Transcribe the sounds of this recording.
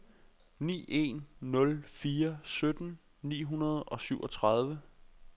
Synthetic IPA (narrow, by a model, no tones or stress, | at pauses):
nḭːe̝̰nːɔ̽lfiːɐsød̥n̩ | nḭːɦunɐð̞̩ˠɒ̽syʊ̰ɒ̽t͡sʰʁɑð̞ˠʋə